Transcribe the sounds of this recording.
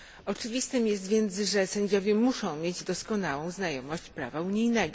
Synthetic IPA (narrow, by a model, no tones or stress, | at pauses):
ɔt͡ʂɘvʲist̪ɘmjɛs̬t̪vʲjɛnt̪sʐɛsɛɲd͡ʑɔvʲjɛmuʂɔ̃w̃mʲjed͡ʑd̪ɔskɔnawɔ̃w̃znajɔmɔɕt͡ɕpɾa̰vauɲijnɛɡɔ